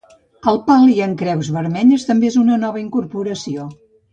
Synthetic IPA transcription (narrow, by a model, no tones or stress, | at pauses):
əlˠpalˠiəŋkɾɛwzβəɾmɛʎəst̪əmbeezunənɔβəiŋkuɾpuɾəsio